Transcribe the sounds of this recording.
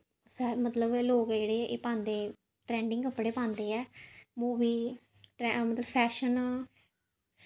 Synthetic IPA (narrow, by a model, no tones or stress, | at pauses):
sɛmət̪ləbeloːkd͡ʒeːɽeːɛːʔeːpãːnd̪eː | ʈɾɛ̃ːɳɖɪ̃ŋɡəpːɽeːpãːnd̪eːɛːmuːbiː | ʈɛmət̪ləbpʰɛːʃən